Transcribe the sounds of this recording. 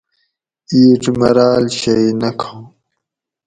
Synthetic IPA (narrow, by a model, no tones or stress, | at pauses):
iːʈ͡ʂmɐɾaːlɕɐinɐkʰã